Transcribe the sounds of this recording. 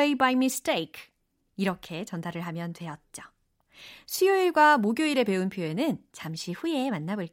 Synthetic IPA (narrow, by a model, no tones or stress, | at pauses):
eibajmisteikʰ | iɾʌkʰe̞t͡ɕʌndʰaɾɯɭɦamjʌntwe̞ʌt̚t͡ɕ͈o | ɕʰioiɭɡwamoɡjoiɾe̞pe̞unpʰjoe̞nɯnt͡ɕamɕʰiɸuje̞manːabɯɭ